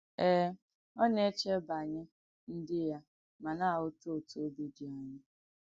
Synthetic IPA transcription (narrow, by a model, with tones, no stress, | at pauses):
ɛ˦ | ɔ˦ne˦t͡ʃe˦ba˨ɲɪ˦ | n̩˦dɪ˦ja˦ | ma˨na˦˨ʊ˦to˦o˨to˨˦o˦bi˦di˨a˨ɲɪ˦